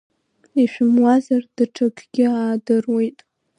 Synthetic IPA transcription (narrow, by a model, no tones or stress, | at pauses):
iʃᶣʊmwazard̥ɨʈ͡ʂʰakʰɡ̥ʲɪaːdɨrwejtʼ